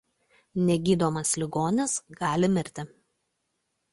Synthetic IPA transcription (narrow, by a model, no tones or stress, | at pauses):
nʲɛɡʲiːd̪oːmɐslʲɪɡoːnʲɪsɡɑːlʲɪmʲɪɾʲt̪ʲɪ